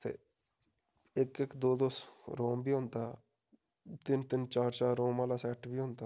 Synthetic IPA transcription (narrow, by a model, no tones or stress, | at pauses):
t̪ʰḛː | ekekd̪oːd̪oːsɾoːmbʱiɦʊ̃ːnt̪a | t̪ɪnt̪ɪnt͡ʃaːɾt͡ʃaːɾoːmaːlasɛːʈbʱiɦʊ̃ːnt̪a